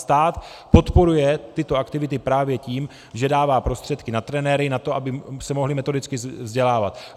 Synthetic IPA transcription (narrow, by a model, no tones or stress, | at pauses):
st̪aːt̪po̞t̪po̞ɾujɛt̪ɪt̪o̞ʔakt̪ɪvɪt̪ɪpɾaːvjɛciːm | ʒɛdaːvaːpɾo̞st̪r̥ɛt̪kɪnat̪ɾɛnɛɾɪnat̪o̞ʔabɪsɛmo̞ɦlɪmɛt̪o̞dɪt͡skɪvzɟɛlaːvat̪